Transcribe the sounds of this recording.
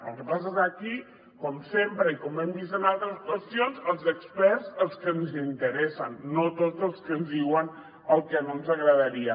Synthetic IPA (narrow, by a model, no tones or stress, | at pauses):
ə̰lˠkəpas̬əzaki | kɔmsempɾəikɔmbɛmd̪isənalˠt̪ɾəskwəst̪ionzəlˠzəkspɛɾzəlˠskənzint̪əɾɛsənːot̪od͡zzəlˠskənzðiwən | əlˠkənonzəɣɾəðəɾiə